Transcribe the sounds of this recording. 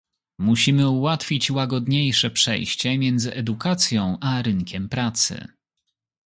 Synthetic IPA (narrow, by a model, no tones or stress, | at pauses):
muɕimɘuwat̪fʲit͡ɕwaɡɔd̪ɲejʂɛpʂɛ̰jɕt͡ɕɛmʲjɛnd̪zɘʔɛd̪ukat̪sʲjɔ̃w̃ʔaɾɘŋkʲɛmpɾat̪sɘ̰